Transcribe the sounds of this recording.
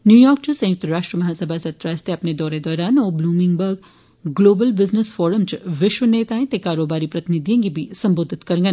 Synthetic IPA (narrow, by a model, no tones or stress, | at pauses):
njuːjɔːɾk̚t͡ʃosɐ̃jʊk̚t̪əɾaːʃʈɾiəmɐɦaːsɐbʱasɐt̪ɾaːst̪eɐpned̪ɔːɾed̪ɔːɾaːnɔːbluːmɪ̃ŋɡbəɾɡ | ɡloːbəlbɪznəsfɔːɾəmt͡ʃʋɪʃwəneːt̪aːẽt̪ekaːɾoːbaːɾipɾɐt̪ɪnɪd̪ʱijõkɡibʱisɐ̃mboːd̪ʱɪt̪kɐɾ̃ŋɡən